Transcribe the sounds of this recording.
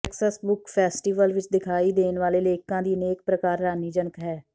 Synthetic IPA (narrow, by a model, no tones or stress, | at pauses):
ɛksəsbʊkpʰɛːsʈiːʋəlʋɪt͡ʃd̪ɪkʰaːiːd̪eːnʋaːleːleːkãːd̪iːəneːk̚pɾəkaːɾːaːniːd͡ʒənəkɦɛː